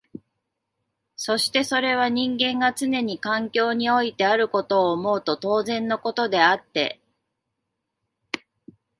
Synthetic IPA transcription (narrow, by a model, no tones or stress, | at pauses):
so̞ɕi̥t̪e̞so̞ɾe̞β̞aɲ̟ĩŋɡẽ̞ŋɡat͡sɨne̞ɲ̟ikãŋkʲo̞ːɲ̟io̞it̪e̞aɾɯ̟ko̞t̪o̞ːmo̞ɯt̪o̞t̪o̞ːzẽ̞nːo̞ko̞t̪o̞d̪e̞at̪ːe̞̰